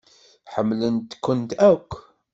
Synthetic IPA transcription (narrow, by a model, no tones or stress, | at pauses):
ħəmːlənt̪kːənt̪ækʷː